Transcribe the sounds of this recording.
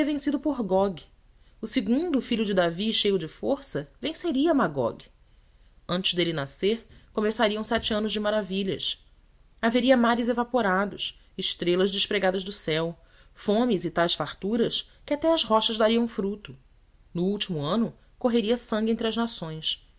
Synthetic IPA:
iɐvẽsid̪ʊpʊɾɡɔɡ | ʊsɪɡũnd̪ʊfiʎʊd͡ʒɪd̪aviʃejʊd͡ʒɪfoɾsɐvẽseɾiɐmaɡɔ̰ɡ | ɐ̃nt͡ʃɪzd̪elɪnaseɾkomesaɾiɐ̃w̃sɛt͡ʃɪɐ̃nʊzd͡ʒɪmaɾaviʎɐ̰s | aveɾiɐmaɾɪzevapoɾad̪ʊs | ɪʃt̪ɾelɐzd͡ʒɪʃpɾeɡad̪ɐzd̪ʊsɛw | fõmɪzɪt̪ajsfaɾt̪uɾɐskɪat̪ɛɐzɦɔʃɐzd̪aɾiɐ̃w̃fɾut̪ʊ | nʊuwt͡ʃimʊɐ̃nʊ | koɦeɾiɐsɐ̃ŋɡʲiẽnt̪ɾɐznasõj̃s

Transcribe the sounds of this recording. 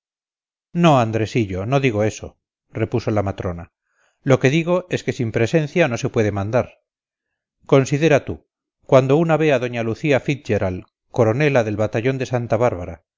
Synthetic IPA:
no̞and̪ɾe̞siʎo̞no̞ðiɣ̞o̞e̞so̞ | re̞pusolamat̪ɾo̞na | lo̞ke̞ðiɣ̞o̞e̞ske̞simpɾe̞se̞nθjano̞se̞pwe̞ðe̞mãnd̪aɾ | ko̞nsiðe̞ɾat̪u | kwand̪o̞unaβe̞aðo̞ɲaluθiafit̪̚ʝeɾal | ko̞ɾo̞ne̞laðe̞lβat̪aʎo̞nd̪e̞sant̪aβaɾβaɾa

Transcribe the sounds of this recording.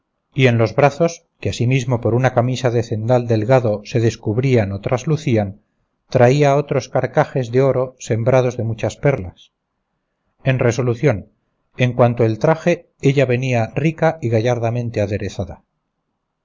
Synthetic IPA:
ie̞nlo̞zβɾaθo̞s | keasimizmo̞po̞ɾunakamisaðe̞θe̞nd̪ald̪e̞lɣaðo̞se̞ðe̞skuβɾianot̪ɾʔazluθian | t̪ɾaiao̞t̪ɾo̞skaɾkaxe̞zðe̞o̞ɾo̞se̞mbɾað̞o̞zðe̞mut͡ʃaspe̞ɾla̰s | e̞nre̞so̞luθjo̞n | e̞ŋkwant̪oe̞lt̪ɾaxe̞ | e̞ʎaβe̞niarikaiɣaʝaɾðamẽ̞nt̪e̞aðe̞ɾe̞θaða

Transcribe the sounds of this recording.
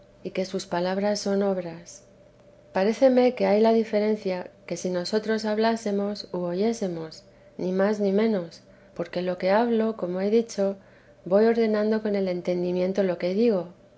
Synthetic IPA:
ike̞suspalaβ̞ɾasːo̞no̞β̞ɾas | paɾe̞θe̞me̞ke̞ajlaðife̞ɾe̞n̟θjake̞sino̞so̞t̪ɾo̞saβlase̞mo̞suoʝe̞se̞mo̞s | nimaznimẽ̞no̞s | po̞ɾke̞lo̞ke̞aβlo̞ko̞mo̞e̞ðit͡ʃo̞ | bo̞jo̞ɾðe̞nãnd̪o̞ko̞ne̞le̞nt̪e̞nd̪imjẽ̞nt̪o̞lo̞ke̞ð̞iɣ̞o̞

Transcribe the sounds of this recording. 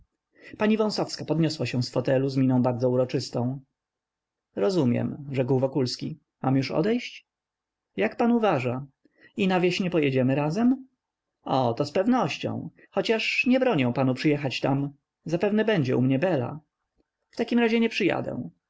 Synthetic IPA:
paɲivɔ̃w̃sɔfskapɔd̪ɲʲɔswaɕɛ̃w̃sfɔt̪ɛluzmʲinɔ̃w̃baɾd̪zɔuɾɔt͡ʂɘst̪ɔ̃w̃ | ɾɔzumʲjɛ̰mʐɛkwvɔkulskʲi | ma̰mjuʂɔ̰d̪ɛjɕt͡ɕ | jakpanuvaʐa | inavʲjeɕɲɛpɔjɛd͡ʑɛmɘɾazɛm | ɔt̪ɔspɛvnɔɕt͡ɕɔ̰̃w̃ | xɔt͡ɕaʂɲɛbɾɔɲɛw̃panupʂɨjɛxat͡ɕt̪am | zapɛvnɛbɛɲd͡ʑɛʔṵmɲɛbɛla̰ | ft̪akʲimɾaʑɛɲɛpʂɨja̰d̪ɛ̰̃

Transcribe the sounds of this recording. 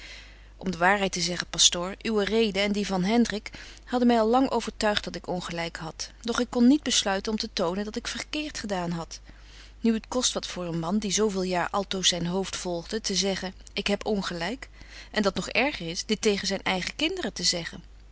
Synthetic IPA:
ʔɔmdəʋaːɹɦɛjtəzɛχəpɑstʊːɹʔyʋərejdəɛndivɑnɦɛndrɪk | hɑdənmɛjɑlˠːɑŋʔo̰wvəɹtœɥχd̚ɑtɪkɔnχəlɛjkɦɑtd̥ɔχɪkːɔnːid̚bəslœɥtənɔmtətownəndɑtɪkfəɹkɪːɹtχədaːnɦɑt | nyətkɔstʋɑtfʊːɹənmɑndizowvɪːlˠjaːɹʔɑlˠtowsɛjnɦowftfɔlˠχdətəzɛχənɪkɦɛpʰɔnχəlɛjkʔɛndɑtnɔχɛɹχərɪsd̥ɪtːejχənzɛjnʔɛjχəkɪndərətəzɛχən

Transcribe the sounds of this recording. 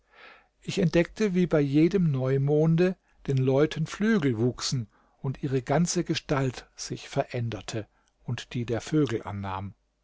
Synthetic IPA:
ʔɪçɛnt̚d̥ɛk̚təviːbaɪjeːdəmnɔʏmoːndə | d̥eːnlɔʏtʰən̩flyːɡl̩vuːksn̩ | ʊntʔiːʁ̞əɡant͡səɡəʃtaltz̥ɪçfɛɐʔɛndɐtʰə | ʔʊntd̥iːdeːɐføːɡl̩ʔa̰nːaːm

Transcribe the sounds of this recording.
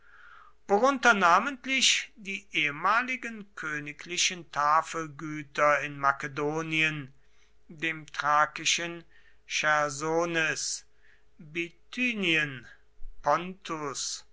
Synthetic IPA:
v̥oʁʊntɐnaːmə̃ntlɪʃd̥iːʔeːəmaːlɪɡənkʰøːnɪklɪʃəntʰaːfəlɡyːtɐɪnmakedoːniən | deːmtʁ̥aːkɪʃən | ʃɛɐzoːnɛs | bitʰyːniən | pɔntʰʊs

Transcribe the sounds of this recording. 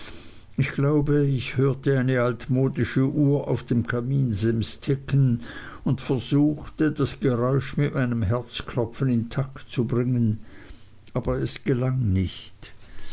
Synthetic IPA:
ɪçɡ̥laʊbəɪçhøːɐtəaɪnəaltmoːdɪʃəʔuːɐʔa̰ʊfd̥emkʰamiːnzɪmstʰɪkənʊntfɛɐzuːxtədasɡ̥əʁɔʏʃmɪtmaɪnəmɦɛɐt͡skʰlɔfənɪntʰaktt͡subʁɪŋən | ʔaːbɐɛsɡ̥əlaŋnɪçt

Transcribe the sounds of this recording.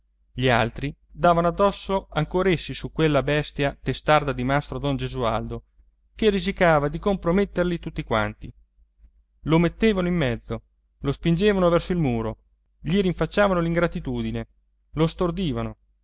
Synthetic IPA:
ʎialt̪ɾid̪aːvanoad̪ːɔsːoaŋkoːɾaesːisukːwelːabɛst̪jat̪est̪ard̪ad̪imast̪ɾod̪ɔnd͡ʒezuald̪o | kerid͡ʒikaːvad̪ikompɾomet̪ːerlit̪ut̪ːikwa̰nt̪i | lomet̪ːeːvanoimːɛd̪zːo | lospind͡ʒeːvanovɛrsoilmuːɾo | ʎiɾiɱfat͡ʃːaːvanoliŋɡɾat̪it̪uːd̪ine | lost̪ord̪iːvano

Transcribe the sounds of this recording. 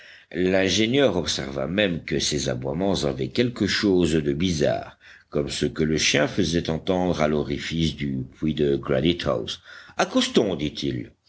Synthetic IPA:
lɛ̃ʒenjœʁɔpsɛ̰ʁva̰mɛmkəseza̰bwamɑ̃zavɛkʲɛlkəʃozd̪əbiza̰ːʁ | kɔmsəkələʃjɛ̃fəzɛt̪ɑ̃t̪ɑ̃d̪ʁalɔʁifisd̪ypwid̪əɡʁanit̪a̰wsakɔst̪ɔ̃d̪it̪ʰil

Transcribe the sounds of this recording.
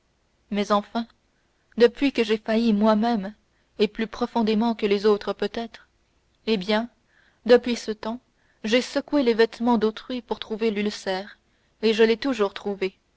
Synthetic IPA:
mɛzɑ̃fɛ̃ | d̪əpɥikəʒefajimwamɛm | eplypχɔfɔ̃d̪emɑ̃kəlezot̪χəpøt̪ɛt̪χ | ebjɛ̃ | d̪əpɥisət̪ɑ̃ | ʒesəkwelevɛt̪mɑ̃d̪ot̪χɥipuʁt̪χuvelylsɛːʁ | eʒəlɛt̪uʒuːʁt̪χuve

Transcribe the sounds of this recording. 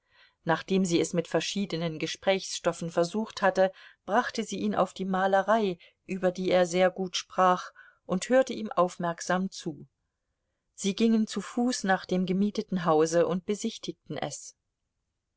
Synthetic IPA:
naːχd̥eːmziːɛsmɪtfɛɐʃiːdənənɡəʃpʁ̥ɛːçsʃtɔfn̩fɛɐzuːxthatəb̥ʁaχtəziːʔiːnʔa̰ʊfd̥iːmaːləʁaɪ | ʔyːbɐdiːeːɐzeːɐɡuːtʃpʁ̥aːχ | ʔʊnthøːɐtəʔiːmʔaʊfmɛɐkz̥aːmt͡suː | z̥iːɡɪŋənt͡sufuːsnaːχd̥eːmɡəmiːtətn̩ɦaʊzəʔʊnt̚b̥əzɪçtɪk̚tn̩ʔɛ̰s

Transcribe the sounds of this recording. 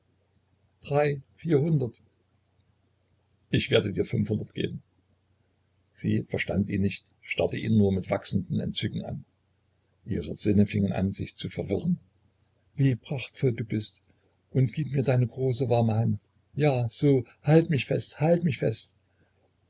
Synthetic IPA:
d̥ʁaɪfiːɐhʊndɐt | ʔɪçv̥eːɐdədiːɐfʏnfhʊndɐtɡ̥ḛːbm̩ | z̥ḭːfɛɐʃta̰ntʔiːnɪçt | ʃtaɐtəʔiːnuːɐmɪtv̥aksn̩dn̩ɛ̰ntt͡sʏɡŋ̩a̰n | ʔiːʁəz̥ɪnəfɪŋənʔa̰nzɪçt͡sufɛɐvɪʁən | viːpʁ̥aχtfɔlduːbɪst | ʔʊntɡ̥iːpmiːɐdaɪnəɡʁoːsəvaʁɐməhant | jaːz̥oː | haltmɪçfɛsthaltmɪçfɛst

